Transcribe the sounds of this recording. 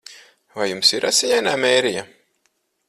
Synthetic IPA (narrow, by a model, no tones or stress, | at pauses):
vajumsiɾʔasʲijajnaːmɛːɾija